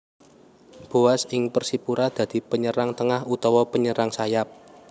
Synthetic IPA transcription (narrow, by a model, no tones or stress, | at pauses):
b̥o̤asɪŋpərsipuɾad̪̥a̤d̪̥i̤pəɲəɾaŋt̪əŋahut̪ɔwɔpəɲəɾaŋsajap̚